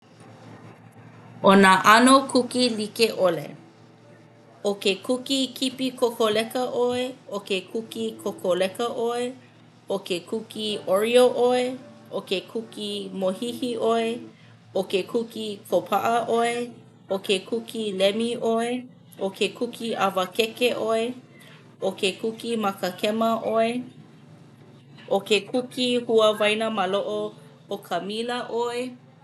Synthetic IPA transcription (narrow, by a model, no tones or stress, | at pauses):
onaʔɐnokʰukilikeʔolḛ | okekukikʰipikʰokolɛkəʔoeokekʰukikʰokʰolɛkəʔoe | okekʰukioɹioʔoeʔokekʰukimohihiʔoe | okekʰukikʰopʰaʔəʔoe | okekʰukʰilɛmiʔoe | ʔokʰekʰukʰiʔavəkekeʔoe | ʔokekukimakəkʰɛməʔoe | ʔokekʰukihuəvajnəmaloʔo | okʰəmiləʔoe